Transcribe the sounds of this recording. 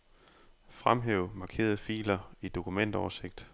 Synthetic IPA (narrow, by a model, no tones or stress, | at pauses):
fʁamɦeːʊmɑ̈ːkʰe̝̰ːɐðˠəfḭːlɐid̥o̝kʰumen̰d̥ɒːɐse̝ɡ̥̚d̥